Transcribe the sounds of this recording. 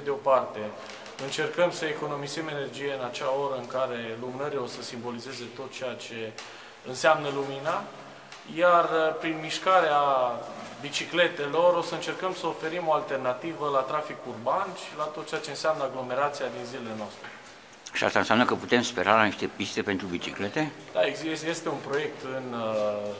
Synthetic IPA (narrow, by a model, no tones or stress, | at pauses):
d̪eo̞part̪e̞ | ɨnt͡ʃe̞rkəmsəeko̞no̞mizeme̞ne̞rd͡ʒije̞ɨnat͡ʃao̞ɾəɨŋkaɾe̞lumnəɾilosəsimbo̞lize̞ze̞t̪o̞t̪̚t͡ʃejat͡ʃe̞ | ɨnseamnəlumina | jarpɾinmiʃkaɾea | bit͡ʃikle̞t̪e̞lo̞ɾo̞səɨnt͡ʃe̞rkəmsəofe̞ɾimo̞alt̪e̞rnat̪ivəlat̪ɾafikurbanʃilat̪ot̪̚t͡ʃeat͡ʃeɨnseamnəaɡlo̞me̞ɾat̪siad̪inzilele̞noast̪ɾe | ʃia̰st̪aɨnseamnəkəput̪e̞mspe̞̰ɾalaniʃt̪e̞pist̪e̞pent̪ɾubit͡ʃiklet̪e̞ | d̪̥aeɡzesje̞st̪e̞unpɾo̞je̞k̚t̪ɨn